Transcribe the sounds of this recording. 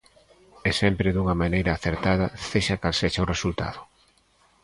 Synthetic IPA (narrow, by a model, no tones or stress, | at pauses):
esɛmpɾɪðuŋɐmanejɾɐaːθeɾt̪að̞ɐseʃakalseʃɐʊresult̪a̰ðʊ